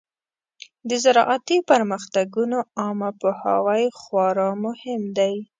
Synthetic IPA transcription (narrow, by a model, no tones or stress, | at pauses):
d̪əzaɾɑʔat̪ipəɾmaxt̪aɡunoɑmapoha̰wajxwɑɾɑmʊhɪmd̪aj